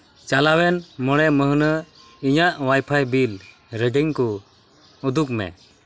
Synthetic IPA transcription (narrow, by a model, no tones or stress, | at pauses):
t͡ʃalawɛnmɔɽɛməɦnə | iɲaʔwajpʰajbil | ɾəɡəɲku | ud̪uk̚mɛ̰